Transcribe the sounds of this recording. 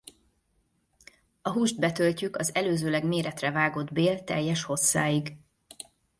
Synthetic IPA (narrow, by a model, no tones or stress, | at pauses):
ɒɦuːʒd̪bɛt̪ølcykɒzɛløːzøːlɛɡmeːɾɛt̪rɛvaːɡo̞d̪beːlt̪ɛ̰jːɛʃho̞sːaːiɡ